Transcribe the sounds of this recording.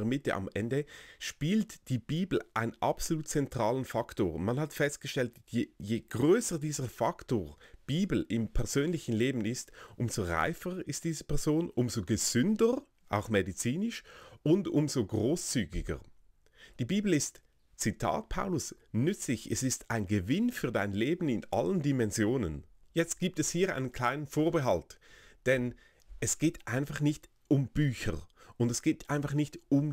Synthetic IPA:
mɪtə̰ʔɑ̰mʔɛndəʃpiːltd̥iːb̥iːbl̩ʔaɪnʔapsoluːt̚t͡sɛntʁ̥aːlənfaktoːʁmanhatfɛst̚ɡ̥əʃtɛltjejeːɡ̥ʁøːsədiːzəfaktoːb̥iːbl̩ʔɪmpʰɛɐz̥øːnlɪçn̩leːbn̩ɪstʔʊmz̥oʁa̰ɪfəʁɪst̚d̥iːzəpʰɛɐzoːnʔʊmzoɡəz̥ʏndəʁ | ʔa̰ʊxmedit͡siːnɪʃʊndʊmzoɡʁoːst͡syːɡɪɡə̰ | d̥iːbiːbl̩ɪst | t͡sitʰa̰ːt̚pʰaʊlʊs | nʏt͡slɪçɛsɪstaɪnɡəvɪnfyːɐdaɪnleːbn̩ɪnʔa̰ləndimɛnzjoːnə̰njɛt͡st̚ɡ̥iːp̚tɛshiːɐʔa̰ɪnənkʰl̥aɪnənfoːɐbəɦaltd̥ɛn | ɛsɡ̥eːtʔaɪnfaχnɪçt | ʊmb̥yːçə̰ʁʔʊndɛsɡ̥eːtʔaɪnfaχnɪçtʊm

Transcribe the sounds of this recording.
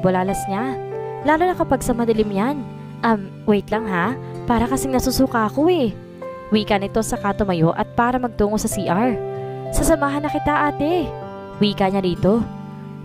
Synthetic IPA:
bolaːlɐsɲalaːlonɐkɐpɐɡ̚sɐmɐd̪ɐlɪmjan | ʔɐm | wɛjt̪lɐŋɦa | paːɾɐkɐsɪŋnɐsusuːkɐɐko̞ɛ | wiːkɐnɪt̪o̞sɐkaːt̪o̞mɐjo̞ʔɐt̪̚paːɾɐmɐɡ̚t̪uːŋosɐsiːʔaɹsɐsɐmaːɦɐnːɐkɪt̪aʔaːt̪ɛ | wiːkɐɲad̪iːt̪o̞

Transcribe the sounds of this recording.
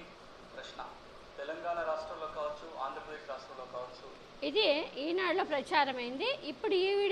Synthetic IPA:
pɾɐʃɳɐ̰ | t̪ɛlɐŋɡaːɳaɾaːʂʈɾɐmloːkaːʋɐt͡ʃːua̰ːnd̪ɾɐpɾɐd̪eːʃɾaːʂʈɾɐmloːkaːʋɐt͡ʃːu | id̪iiːnaːɽloːpɾɐt͡ʃaːɾɐmɐjind̪iʔipːuɽuiːʋiɽ

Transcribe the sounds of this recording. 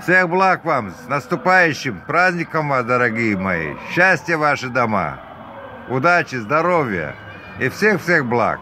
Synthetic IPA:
fsʲexblˠakvamsnɐst̪ʊpajʉɕːɪmpɾazʲnʲɪkɐmvasd̪ɐɾɐɡʲijɪmɐḭɕːasʲtʲɪjəvaʂɨd̪ɐma̰ | ʊd̪at͡ɕɪzd̪ɐɾovʲjə̰ | ifsʲe̞xfsʲe̞xblˠa̰k̚

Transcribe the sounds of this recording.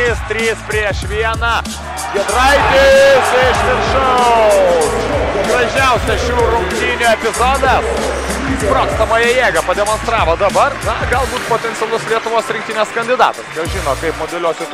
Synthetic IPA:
iːst̪ʲɾʲiːspʲɾʲiɛʃʋʲiɛnɑ | ɡʲɛd̪ɾɐɪt̪ʲɪsʲeʃʋʲɪɾʃo | ɡrɐʒʲɛʊsʲɛʃuːɾʊŋkt̪ʲiːnʲʊɛpʲɪzoːd̪ɐs | pɾoːt̪st̪ɐmoːjɛjeːɡɐpɐd̪ʲɛmoːnst̪ɾɑːʋoːd̪ɐbɐrnɐɡɐlˠbuːt̪poːt̪ʲɛntsʲɪɛɐlˠʊslʲiɛt̪ʊʋoːsɾʲɪ̃ŋkt̪ʲinʲeːskɐnʲd̪ʲɪd̪ɑ̰ːt̪ɐsjɐʒʲɪːnoːkɐɪpmoːd̪ʲɛlʲoːsʲɪt̪

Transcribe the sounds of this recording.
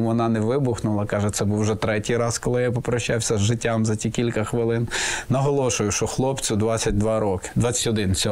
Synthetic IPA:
muʋɔnɑnɛʋɪbʊxnʊlˠɐkɑʒɛt̪sɛbuwʒɛt̪ɾɛtʲijɾɑskɔlˠɪjapɔpɾɔʃːɑwsʲɐzʒɪtʲːamzɐtʲikʲilʲkɐxʋɪlˠɪnnɐɦɔlˠɔʃʊjʊʃt͡ʃɔxlˠɔpt͡sʲʊd̪ʋɑt͡sʲːɐt̚ʲd̪ʋɑɾɔkɪ̥d̪ʋɑt͡sʲɐ̥tʲɔd̪ɪnt͡sʲɔ

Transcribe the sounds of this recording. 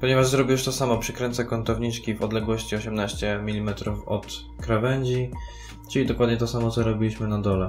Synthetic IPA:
pɔɲɛvaʐzɾɔbʲiuʂt̪ɔsamɔpʂɘkɾɛnt̪sɛkɔnt̪ɔvɲit͡ʂkʲivɔd̪lɛɡwɔɕt͡ɕiɔɕɛmnaɕt͡ɕɛmʲilʲimɛt̪ɾufɔt̪ | kɾavɛɲd͡ʑi | t͡ʂɘlʲid̪ɔkwad̪̚ɲɛt̪ɔsamɔt̪sɔɾɔbʲilʲwiɕmɘnad̪ɔlɛ

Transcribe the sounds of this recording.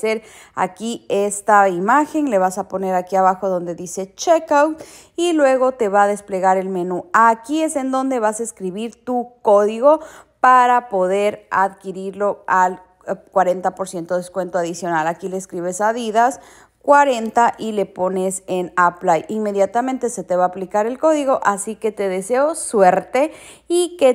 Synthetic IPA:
seɾ | a̰kiest̪aimaxe̞nle̞βasapo̞ne̞ɾakiaβaxoðo̞nd̪e̞ðise̞t͡ʃekawt̪ | ilwe̞ɣo̞t̪e̞βaðe̞sple̞ɣaɾe̞lme̞nuakie̞se̞nd̪o̞nd̪e̞βasaeskɾiβiɾt̪uko̞ðiɣo̞paɾapo̞ðeɾaðkiɾiɾlo̞al | kwaɾe̞nt̪apo̞ɾsje̞nt̪o̞ð̞eskwe̞nt̪oaðisjo̞nalakile̞ːskɾiβe̞saðiðas | kwaɾe̞nt̪aʔile̞po̞ne̞se̞naplajinme̞ðjat̪amẽnt̪e̞se̞t̪e̞βaːplikaɾe̞lko̞ðiɣo̞ʔasike̞t̪e̞ðe̞se̞oswe̞ɾt̪e̞ | ike

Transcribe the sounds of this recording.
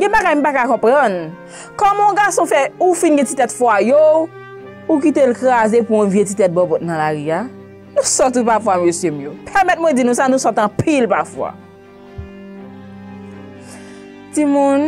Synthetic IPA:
ɡɛ̃baɡajm̩pakakɔ̃pʁɐ̃n | kɔmɔ̃ɡasɔ̃fɛufinɡɛ̃titɛtfwajo | ukitelkʁazepuɔ̃vjetitɛt̚bɔ̃bɔt̚nɐ̃laɣia | nũsɔtupafwamøsjemũjopʰɛmɛt̚mwɛ̃d͡zinũsanũsɔtɐ̃pʰilpafwa̰ | timũn

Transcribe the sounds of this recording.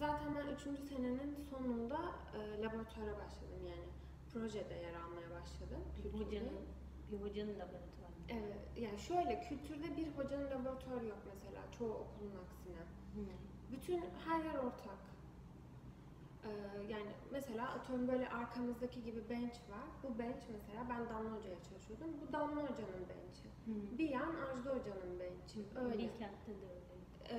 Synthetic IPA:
zaːt̪ʰænbænyt͡ʃʰynd͡ʒyse̞ne̞ninso̞nund̪aɯːlˠabo̞ɾat̪ʰaɾɛbaʃlˠad̪ɯmjaːnɪ | pʰɾo̞ʒɛd̪ɛjaɾalˠmajabaʃlˠad̪ɯmcʰylʲʰn | biɾɦod͡ʒanɯnlˠaboɾat̪ʰaɾ | evɛt̪jaːnʃø̞jlʲɛcʰylʲt̪ʰyɾd̪ɛbiɾɦo̞d͡ʒanɯnlʲabo̞ɾat̪ʰaɾjo̞kmese̞lʲa̰ːt͡ʃʰo̞uokʰulˠunaksina | byt̪ʰynhæɾjɛɾo̞ɾt̪ʰak | ɯːjaːnɪ̰mese̞lʲaːʔat̪ʰømbø̞jlʲɛ̰ʔaɾkʰamɯzd̪acʰiɟibibɛnt͡ʃvaɾbubɛnt͡ʃmeselʲaːbænd̪anlˠɯho̞d͡ʒajat͡ʃʰalˠɯʃɯjo̞d̪umbud̪anlˠɯɦo̞d͡ʒanɯnbɛ̰nt͡ʃʰɪbijanaʒd̪ɯɦo̞d͡ʒanɯnbɛnt͡ʃʰøjlʲiɛant̪t̪ːɛd̪øjlʲɛ

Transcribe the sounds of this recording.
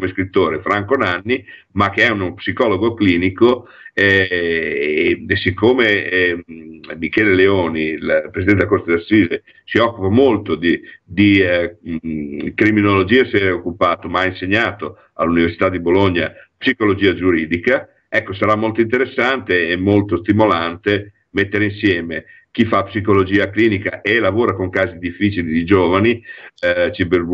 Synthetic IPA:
komeskɾit̪ːoːɾefɾaŋkonanːi | mak̟eɛunopsikɔloɡokliːniko | ɛ | sikːome | mikɛːleleoːnilpɾesid̪ɛnt̪eakoɾt̪ed̪asːiːze | siɔkːupamolt̪od̪id̪i | kɾiminolod͡ʒiːaeseɾeokːupaːt̪omaainseɲːaːt̪o | a̰lːuniversit̪ad̪iboloɲːa̰psikolod͡ʒiːad͡ʒuɾiːd̪ika | ɛkːosaɾamːolt̪oint̪eɾesːant̪eɛmːolt̪ost̪imolant̪e | met̪ːeɾeinsjɛːme | k̟ifapsikolod͡ʒiːakliːnika̰ʔelavoːɾakoŋkaːzid̪ifːit͡ʃilid̪id͡ʒoːvani | t͡ʃibeɾb

